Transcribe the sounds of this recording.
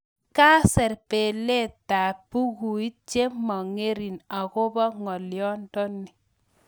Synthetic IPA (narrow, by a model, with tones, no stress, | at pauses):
ka˦sɛ˨ɾpe˨le˦ta˨pu˦ɣu˨i˦t̚t͡ʃe˦mɔ˨ŋe˦ɾi˨na˨ko˦bɔ˦ŋɔ˨ljɔ˦ndɔ˦nːi˨